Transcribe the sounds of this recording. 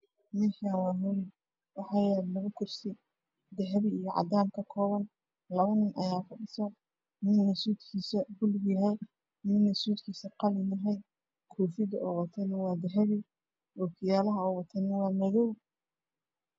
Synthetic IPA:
mɛħanwɑːɦʊlɪ | wɑħɑːjɛːllɐɣʊkʰʊrsɪ | d̪ɛɦɛβɪijɞʕɑ̰d̪aːmkʰɐkʰɔːβɐn | lɐβɐnɪnʔɐjaːkʰʊɖɪsɔ | mɪnːɐsuːd̪kʰiːsɐbʊlɡjɐɦɛj | mɪnɐsuːd̪kʰiːsɐqɑlɪnɐɦɛj | kʰɔːfɪd̪ɐɔːwɑt̪ʰɛnɐwɑːd̪ɛɦɛβɪ | ɔːkʰɪjaːlɐɦɐɔːwɑt̪ʰɛnɐwɑːmɐðɔw

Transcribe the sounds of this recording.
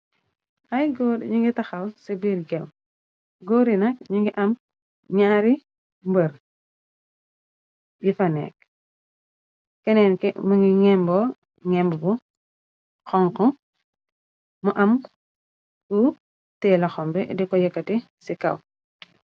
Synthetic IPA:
ɐjɡɔdɲiŋɡitɐxɐlsibiːɾɡɛm | ɡɔːɾinɐk̚ɲiŋɡiʔɐm | ɲaːɾi | mbəɾ | jifɐnɛ̰ːk̚ | kɛnɛnkɛmuŋɡiŋɛmbɔ | ŋɛmbubu | xɔŋkɔ | muʔɐm | ku | tɛːlɐxɔmbɛdikɔjɛkːɐti | sikɐ̰w

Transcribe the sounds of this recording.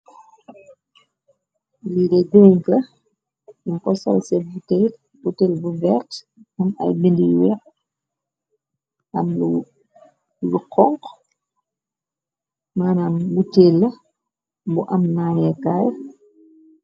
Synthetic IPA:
lidɛdoŋkɐ | iŋkɔsɐ̰lsɛbutɛ | butɛlbuvɛrt | mɐmɐ̰jbindijwɛ | ʔɐmlu | luqɔŋk | maːnaːmbutelɐ | buʔɐmnaːnɛkaːj

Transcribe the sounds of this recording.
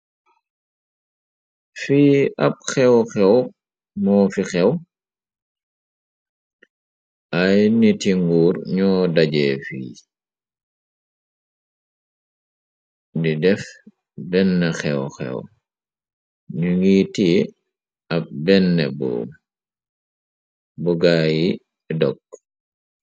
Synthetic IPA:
fiːɐp̚xɛwxɛw | mɔːfixɛw | ʔajnitiŋɡuːɾɲɔːdaɟɛːfḭː | didɛf | bɛnːɛxɛwxɛ̰w | ɲuŋɡiːti | ɐp̚bɛnːɛ̰bɔ̰ː | buɡaːji | dɔk

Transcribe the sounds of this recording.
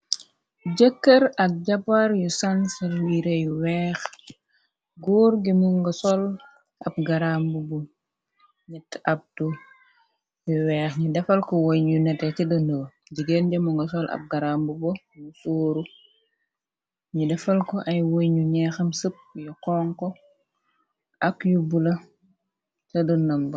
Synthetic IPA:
ɟəkːɐɾɐk̚ɟɐpaɾjusɐnsɐɾwiːɾejuwɛːx | ɡɔːɾɡimuŋɡɐsɔl | ʔɐp̚ɡɐɾambubɔ | ɲɛtɐp̚tu | juwɛːxɲudɛfɐlkɔwojɲunɛtɛcidɐnow | ɟiɡenɟɐmuŋɡɐsɔlɐ̰p̚ɡɐɾambubo | nusoːɾu | ɲidɛfɐlkɔʔɐjwojɲuɲɛxɐmsəp̚jɔkɔŋkɔ | ɐkjubulɐ | tɐdɔnɐmbɐ

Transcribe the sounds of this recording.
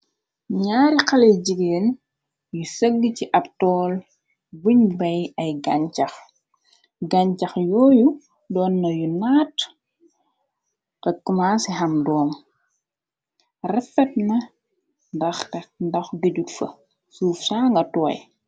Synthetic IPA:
ɲaːɾixɐlɛjɟiɡeːn | jusɐɡːiciʔɐptɔːl | buɲbɐjɐjɡɐɲcɐx | ɡaɲcɐxjɔːju | dɔːnːɐjunaːt | tɐkːumaːsiɦɐmdɔːm | rɛfɛt̚nɐ | ndɐxtɛndɐxɡeɟutfɐ̰ | suːfsaːŋɡɐtɔːj

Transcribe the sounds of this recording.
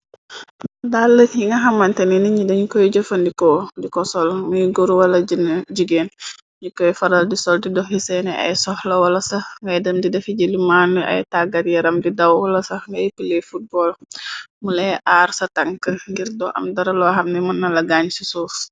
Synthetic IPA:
dalːəjiŋɡɐɦɐmːɐntɛniniɲidɐɲukɔjɟəfɐndikɔdikɔsɔlmujɡoɾuwɐlɐɟnɟuɡeːn | ɲukɔjfɐɾɐldisɔldidɔhhisɛnɛʔɐ̰jsɔhlɐwɐlɐsɐhŋɡɐjdɐmdidɛfiɟilimanuʔɐ̰jtaɡɐtjɐɾɐmdidɐwwɐlɐsɐhŋɡɐjpilɛfut̚bɔlmulɛʔaːrsɐtɐŋkəŋɡiɾdɔʔɐ̰mdɐɾɐlɔɦɐmnɛmɐnːɐlɐɡaɲsisuːs

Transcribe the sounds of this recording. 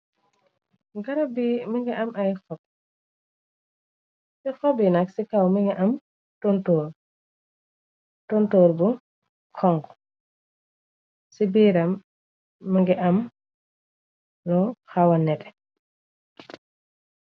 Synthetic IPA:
ŋɡaɾabimiŋɡɛʔamajxɔb̚ | sixɔbinaksikawmiŋɡɛʔam | tontoːɾ | tontoːɾbu | kʰɔŋɡ | sibiːɾamː | iŋɡɛʔam | lɔxawanɛtɛ̥

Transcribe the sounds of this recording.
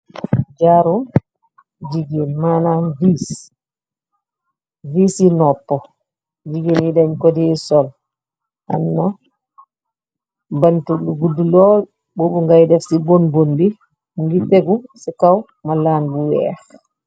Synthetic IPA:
d͡ʒaɾum | d͡ʒiɡinmananvis | viːsinɔpːɔ | d͡ʒiɡinidaɲkodisɔl | ʔa̰nːa | bantuluɡudulɔ | bobuŋɡajdɛfsibonbondi | ŋɡiteɡusikaw | malanbuwɛ̰x

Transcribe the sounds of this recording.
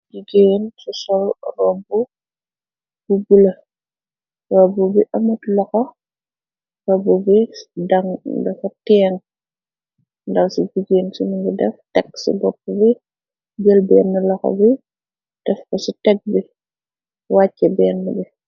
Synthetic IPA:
ɡiɡeːnsusɔlrɔbu | b̥ubulɐ | rɔbːubiʔɐmutlɔxɔ | rɔbubidɐŋdɐfɐtɛːŋ | ndɐksuɟiɡeːnsuniŋɡidɛftɛksṵbɔpːubi | ɡəlbɛːnːɐlɔxɔ̰bi | d̥ɛfkɔsitɛk̚bi | wacːɛbɛːnːubi

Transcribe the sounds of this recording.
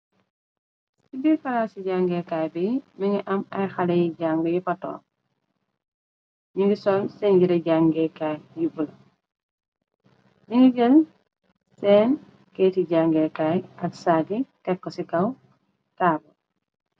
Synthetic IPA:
sibikɐlaːsiɟaŋɡɛkajbimiŋɡiʔɐmɐjxalɛjiɟaŋɡijipɐtɔ̰ː | ɲiŋɡisɔːlsɛnɟiɾɐɟaŋɡɛkajjibul | ɲiŋɡiɟəl | sɛːn | kɛtiɟaŋɡɛkaːjɐksaːɡitɛkːɔsikɐw | taːbɐ

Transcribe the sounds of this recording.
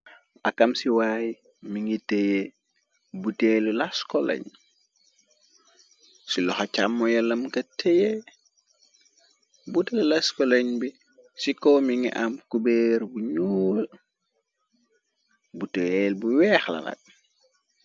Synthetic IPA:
ʔakamsiwaːj | miŋɡiteje | butelulaskɔlḛɲ | silɔxacamːɔjɐlɐmkɐtʰeje | butelulaskɔlɐɲbi | sikɔmiŋiʔamkubeːɾbuɲuː | buteelbuwɛːxlɐ̰la̰t̚

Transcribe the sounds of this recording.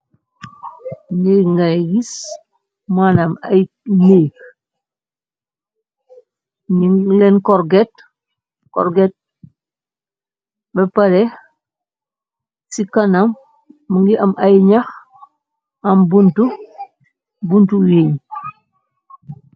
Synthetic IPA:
neːkŋɡajɡis | manamaj | neːk | ɲilɛnkɔɾɡɛt | kɔ̰ɾɡɛt̚ | bɛpaɾɛ | sikɐnamː | uŋɡiʔɐmʔajɲax | ɐmbuntu | buntuweːɲ

